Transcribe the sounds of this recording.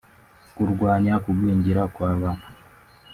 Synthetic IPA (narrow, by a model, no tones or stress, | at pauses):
kuɾɡwaːɲakuɡwiːɲɟiɾakwaːβanu